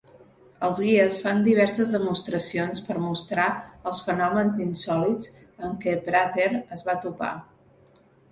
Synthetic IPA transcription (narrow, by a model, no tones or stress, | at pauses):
əlˠzɣiəsfand̪iβ̞ɛɾsəzðəmust̪ɾəsionspəɾmust̪ɾaəlˠsfənɔmənzinsɔlit͡s | əŋkɛpɾat̪eɾəzβat̪upa̰